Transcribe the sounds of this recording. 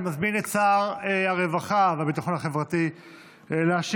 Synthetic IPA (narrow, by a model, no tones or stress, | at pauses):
mazminett͡saʁeaʁevaχaveabit̪aχo̞naχe̞vʁat̪i | eleaʃ